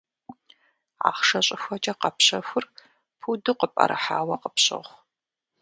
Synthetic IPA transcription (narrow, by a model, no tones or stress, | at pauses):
ʕa̰ːχʂɐɕʼɪxʷɐt͡ʃʼɐqɐpɕɐxʷʊr | pʰudɨqəpʼɐ̰ɾʔɨħaːwɐqəpɕʼɪ̰ʁʷ